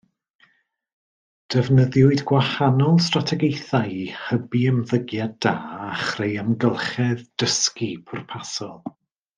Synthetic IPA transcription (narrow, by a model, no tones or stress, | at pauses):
d̥ɛvnəðjʊɨdɡwahanɔlˠstratʰɛɡejθajhəbiəmðəɡjaddaːaχrejəmɡəlˠχɛðd̥əskipʰʊrpʰasɔlˠ